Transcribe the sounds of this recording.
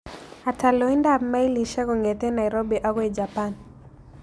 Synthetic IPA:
atʰa˨lɔi˦ndama˦i˦li˨ʃa˦kɔ˨ŋɡɛtɛ˦na˨iɾobi˨ʔakɔ˦i˨d͡ʒapan

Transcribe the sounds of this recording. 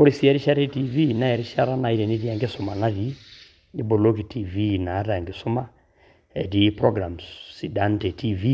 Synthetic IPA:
ko˦ɾi˨si˦ɛ˦ɾi˦ʃa˦ɾe˦ti˦vi˦na˦ɛ˨ɾi˦ʃa˦ɾa˦na˨i˦ɾɛ˨ni˦ɾi˦a˨ŋɡe˦sʊ˨ma˨na˦ɾi˨˦ | ni˦bo˨lo˦ki˨tʰi˦vi˦na˨˦ɾa˨ŋɡe˨sʊ˦ma˦ | ɛ˨di˦pɾɔ˦ɡɾa˨msi˨da˦nte˨tʰi˦vi˦

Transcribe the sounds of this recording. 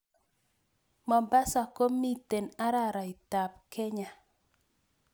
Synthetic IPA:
ma˨ba˦sa˨ko˦mi˦te˨na˦ɾa˦˨ɾa˨i˨ta˨pkɛ˦ɲa˨

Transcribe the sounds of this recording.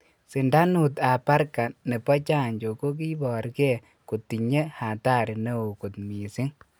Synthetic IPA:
si˨nda˦nu˨ta˨pa˦ɾka˨ne˨pɔ˦t͡ʃa˦˨ɲd͡ʒo˨ko˦k̬i˦bɔ˨ɾkɛ˦˨ | ku˨ti˨ɲe˦ha˨ta˦˨ɾi˨ne˦o˨ku˨t̪mi˨sɪ˦ŋ

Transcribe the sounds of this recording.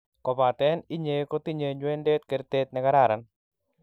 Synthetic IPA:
kɔ˨pa˨tɛ˦ni˦ɲe˨ko˦ti˦ɲe˨ɲwe˦nde˦tke˨ɾte˦t̪̚nɛ˦ka˦ɾa˦˨ɾa˨n

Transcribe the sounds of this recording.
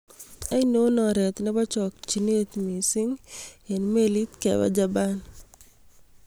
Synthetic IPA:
a˦i˦no˦nɔ˨ɾɛ˨t̪nɛ˦ba˦t͡ʃɔ˨k̚t͡ʃi˨ne˦t̪mi˨sɪ˦ŋe˨nme˦li˦t̪kɛ̰˨wa̰˦d͡ʒaban

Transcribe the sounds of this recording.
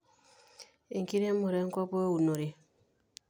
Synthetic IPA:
e˨ŋki˦ɾe˦mo˨ɾe˦ŋ˦kɔ˦po˦u˨no˨ɾe˨

